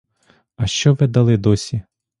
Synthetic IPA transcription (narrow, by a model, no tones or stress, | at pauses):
ɐʃt͡ʃɔʋɛd̪ɐlˠɪd̪ɔsʲi